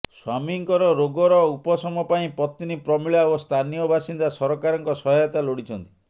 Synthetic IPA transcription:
swamiŋkɔɾɔɾoɡɔɾɔupɔsɔmɔpaĩpɔt̪inipɾɔmiɭaost̪ʰanijɔbasind̪asɔɾɔkaɾɔŋkɔsɔɦɔjɔt̪aloɽit͡ʃʰɔnt̪i̥

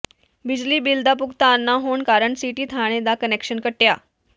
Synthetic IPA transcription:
bid͡ʑliːbild̪apukt̪aːnːaɦoɳkaɾəɳsiʈiːt̪ʰaɽ̃ed̪akənekɕənkəʈːja

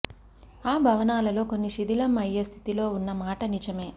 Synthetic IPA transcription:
aːbʱɐʋɐnaːlɐlo̞ːkonːiʃid̪ilɐmɐjːɐst̪ʰi̥t̪ilo̞ːunːɐmaːʈɐnid͡ʒɐme̞ː

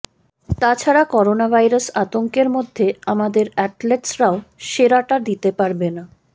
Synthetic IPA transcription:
t̪at͡ɕʰaɾakɔɾonabʱajɾasat̪oŋkeɾmod̪ʱːeamad̪eɾɛʈleʈsɾaoʃeɾaʈaɾd̪it̪epaɾbena

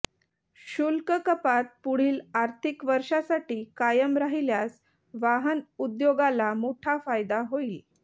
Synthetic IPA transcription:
ɕulkəkəpat̪̚puɽ̤iːlaɾt̪ʰikʋəɾʂasaʈiːkajəmɾaɦiljas | ʋaɦənud̪joɡalamoʈʰafajd̪aɦoil

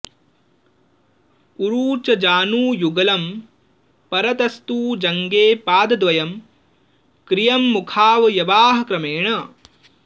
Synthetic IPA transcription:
uɾuːt͡ʃɐd͡ʒaːnuːjuɡɐlɐm | pɐɾɐt̪ɐst̪uːd͡ʒɐŋɡeːpaːd̪ɐd̪ʋɐjɐm | kɾijɐmːukʰaːʋɐjɐʋaːɦɐ̆kɾɐmeːɳɐ

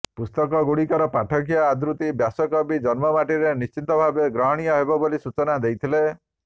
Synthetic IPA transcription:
pust̪ɔk̬ɔɡuɽikɔɾɔpaʈʰɔk̬ijɔad̪ɾut̪ibjasɔkɔbid͡ʒɔnmɔmaʈiɾenist͡ʃint̪ɔbʱabeɡɾɔɦɔɽ̃ijɔɦebɔbolisut͡ʃɔnad̪ejt̪ʰile

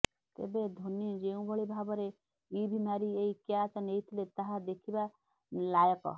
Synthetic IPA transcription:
t̪ḛbed̪ʱonjɔ̃d͡ʒeũbʱɔɭibʱabɔɾe | ibʱimaɾieikjat͡ʃɔnejt̪ʰilet̪aɦad̪ekʰiba | lajɔkɔ̰

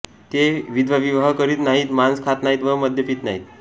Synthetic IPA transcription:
t̪eʋid̪ʋaʋiʋɦəkəɾiːt̪naɦiːt̪manskʰat̪naɦit̪ʋəməd̪ʱjəpiːt̪naɦiːt̪

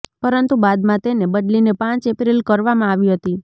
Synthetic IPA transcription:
pəɾənt̪ubad̪mãt̪enebəɖlinepãt͡ʃepɾilkəɾʋamãaʋiɦət̪i

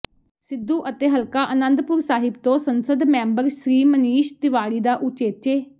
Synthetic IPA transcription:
sɪd̪ːuːʔət̪eːɦəlkaːʔənə̃nd̪pʊɾsaːɦɪb̚t̪õːsənsəd̪mɛ̃ːmbəɾʃɾiːməniːʃd̪ɪʋaːɾiːd̪aːʔʊt͡ʃeːt͡ʃeː

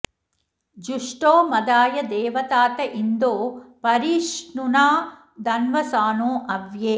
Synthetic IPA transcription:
d͡ʒuʂʈoːmɐd̪aːjɐd̪ɛːʋɐt̪aːt̪ɐʔind̪oːpɐɾiːʂnunaː | d̪ɐnʋɐsaːnõːʔɐʋjeː

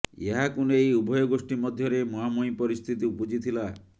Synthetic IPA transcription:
jḛɦakonejubʱɔjɔɡosʈimɔd̪ʱjɔɾemɔɦamojpɔɾist̪ʰit̪iupod͡ʒit̪ʰila

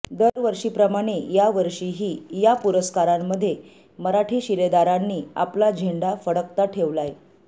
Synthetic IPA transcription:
d̪əɾʋəɾʂiːpɾəmaɽ̃ejaʋəɾʂiɦiːjapuɾəskaɾamːəd̪ʱːje | məɾaʈʰiːɕiled̪aɾanːiːa̰plad͡ʑʱeɳɖafəɽək̚t̪aʈʰeʋlaj

